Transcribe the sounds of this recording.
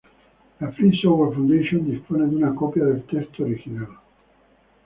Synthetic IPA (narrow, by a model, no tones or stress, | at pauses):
lafɾisovɛɾfund̪eʃond̪ispoːned̪iunakɔpjad̪elt̪ɛst̪oɾikinam